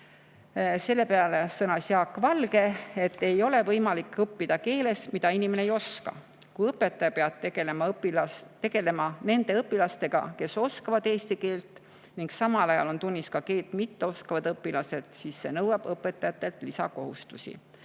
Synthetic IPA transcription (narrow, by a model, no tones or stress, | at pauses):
se̞lːe̞peɑlesɤnɑsjɑkːˑvɑlɡe̞e̞t̪ːe̞jo̞le̞vɤjmɑlikːˑɤpːid̪̥ɑke̞ːle̞smid̪̥ɑinimeneejo̞skɑ̰ | kujɤpːˑet̪ːˑɑjɑpeɑd̪̥t̪eɡelemɑpilɑt̪e̞ɡ̥e̞le̞mɑne̞nd̪̥e̞ɤpːilɑst̪e̞ɡ̥ɑ̰ke̞so̞skɑvɑd̪e̞ːst̪ike̞ːlt̪ˑ | niŋɡ̥sɑmɑlɑjɑ̰lo̞nt̪unʲːiskɑke̞ːlt̪mit̪ːe̞o̞skɑvɑd̪̥ɤpːˑilɑse̞d̪̥sisːe̞nɤwɑb̥ɤpːˑe̞t̪ːˑɑjɑt̪ːˑe̞lt̪ˑlisɑ̰ko̞ɦṵst̪usḭ